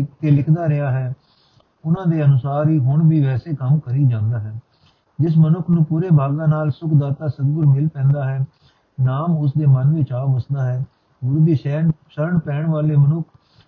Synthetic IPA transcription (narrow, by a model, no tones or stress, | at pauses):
t̪eːlɪkʰd̪aːɾɪɦaːɦɛː | ʊnãːd̪eːənʊsaːɾiːɦʊɳbiːʋɛːseːkəmkəɾiːd͡ʒãːnd̪aːɦɛː | d͡ʒɪs̬mənʊkʰnũːpuːɾeːbʱaːɡaːnaːlsʊkʰd̪aːt̪aːsəd̪ɡʊɾmɪlpɛ̃ːnd̪aːɦɛː | naːmʊs̬d̪eːmənʋɪt͡ʃaːbəsd̪aːɦɛː | ɡʊɾd̪iːʃɛːnʃəɾəɳpɛːɳʋaːleːmənʊkʰ